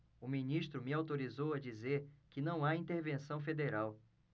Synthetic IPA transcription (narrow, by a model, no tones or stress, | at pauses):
ʊmĩniʃt̪ɾʊmɪawt̪oɾizowɐd͡ʒizeɾkɪnɐ̃w̃aĩt̪eɾvẽsɐ̃w̃fed̪eɾaw